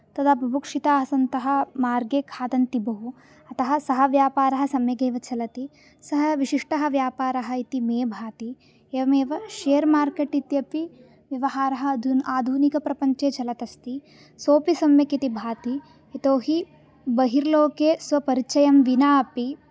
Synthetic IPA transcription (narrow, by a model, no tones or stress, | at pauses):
t̪ɐd̪apɾɐbukʂit̪aːɐsɐnt̪ɐɦɐ̆maːɾɡeːkʰaːd̪ɐnt̪ibɐɦu | ɐt̪ɐɦɐsɐɦɐʋjaːpaːɾɐɦɐsɐmjɐɡeːʋɐt͡ʃʰɐlɐt̪i | sɐɦɐʋiʃiʂʈɐɦɐ̆ʋjaːpaːɾɐɦɐ̆it̪imeːbʱaːt̪i | eːʋɐmeːʋɐʃeːɐɾmaːɾkeʈit̪jɐpi | ʋjɐʋɐɦaːɾɐɦɐd̪ʱunaːd̪ʱunikɐpɾɐpɐɲt͡ʃeːt͡ʃɐlɐt̪ɐst̪i | soːpisɐmjɐkit̪ibʱaːt̪i | et̪oːɦi | bɐɦiɾloːkeːsʋɐpɐɾit͡ʃɐjɐmʋinaːɐpi